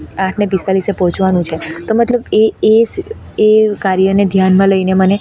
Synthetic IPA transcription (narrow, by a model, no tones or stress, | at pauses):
ãʈʰnebist̪alisepɔɦɔ̃t͡ʃʰʋanũt͡ʃʰet̪omət̪ləbee | ekaɾjəned̪ʱjanmãləineməne